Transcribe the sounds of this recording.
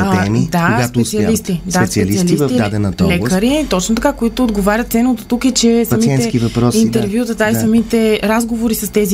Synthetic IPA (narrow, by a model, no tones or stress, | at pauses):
t̪ɛ̰mid̪aɡasɛsiɐlist̪id̪aɛt̪siɐliiɐlisvɐvd̪a̰d̪ɛnɐt̪ɔlɛkəɾit̪ɔt͡ʃnot̪ɐkakoit̪ʊːd̪ɡovaɾʲjət̪sɛnot̪ot̪ukɛt͡ʃɛsmsiɛnkivɐpɾɔsint̪ɛɾvjut̪ɐt̪aisɐmit̪ɛɾazɡovoɾisɐst̪ɛzi